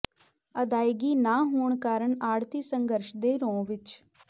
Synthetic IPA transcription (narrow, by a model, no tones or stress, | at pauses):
əd̪aːjɡiːnaːɦoːɳkaːɾəɳaːɽt̪iːsəŋɡəɾʃd̪eːɾõːʋɪt͡ʃ